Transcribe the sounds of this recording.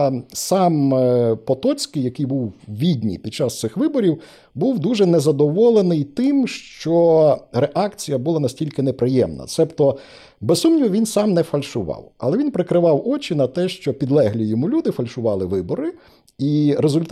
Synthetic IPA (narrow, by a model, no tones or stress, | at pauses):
sɑmpɔt̪ɔt͡sʲkɪjɐkɪjbuwʋʲidʲnʲḭjpʲid̪̚t͡ʃɑst̪ɪxʋɪbɔɾʲiw | buwd̪uʒɛnɛzɐd̪ɔʋɔlˠenɪjt̪ɪmʃt͡ʃɔɾeʔɑkt͡sʲijɐbʊlˠɑnɐsʲtʲilʲkɪnepɾɪjɛmnɐ̰t̪sɛpt̪ɔ | bɛzssumnʲiʋɔʋʲinsɑmnɛfɐlʲʃʊʋɑ̰wɐ̰lˠɛʋinpɾɪkɾɪʋɑwɔt͡ʃinɐt̪ɛʃt͡ʃɔpʲid̪lˠɛɦlʲijɔmulʲud̪ɪfɐlʲʃʊʋɑlˠɪʋɪbɔɾɪ | iɾezʊlʲt̪